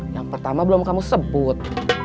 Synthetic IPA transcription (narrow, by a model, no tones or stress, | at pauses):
jaŋpərt̪amabəlʊmkamusəbʊt̪̚